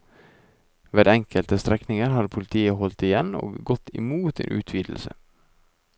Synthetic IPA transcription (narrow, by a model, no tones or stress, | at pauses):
ʋeːd̪ɛŋkʰəlt̪əst̪ɾɛknɪŋəɾhɑd̪pʰʊlɪt̪ʰiːəhɔlt̪ɪjɛno̰ːɡɡɔt̪ɪ̰muːt̪ḛːnʔʉ̰ːt̪ʰʋiːd̪l̩sə̰